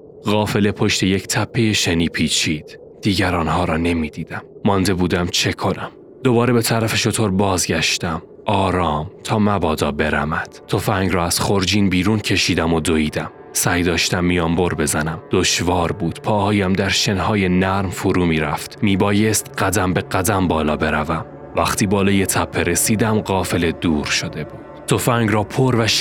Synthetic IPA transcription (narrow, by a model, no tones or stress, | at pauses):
ɣɒːfe̞le̞pʰo̞ʃt̪e̞jecʰt̪ʰæpʰːe̞je̞ʃeniːpʰiːt͡ʃʰiːd̪̥ | d̪̥iːɟæɾɒːnhɒːɾɒːne̞miːd̪̥iːd̪̥æmːɒnd̪e̞buːd̪æmt͡ʃʰe̞kʰo̞næm | d̪̥o̞bɒːɾe̞be̞t̪ʰæɾæfe̞ʃot̪ʰo̞ɾbɒːzɟæʃt̪æm | ʔɒːɾɒːmt̪ʰɒːmæbɒːd̪ɒːbe̞ɾæ̰mæd̪̥t̪ʰofæŋɡɾɒːæz̥χo̞ɾd͡ʒiːnbiːɾuːncʰe̞ʃiːd̪æmo̞d̪o̞iːd̪æm | sæjd̪ɒːʃt̪æmːijɒːmbo̞ɾbe̞zænæmd̪̥o̞ʃvɒːɾbuːd̪̥pʰɒːhɒːjæmd̪æɾʃenhɒːje̞næɾmfoɾuːmiːɾæft̪ːiːbɒːje̞st̪ɢæd̪æmbe̞ɢæd̪æmbɒːlɒːbe̞ɾævæm | væχt̪ʰiːbɒːlɒːje̞t̪ʰæpʰːeɾe̞siːd̪æmɢɒːfe̞le̞d̪uːɾʃo̞d̪e̞buːd̥t̪ʰo̞fæŋɡɾɒːpʰoɾvæʃ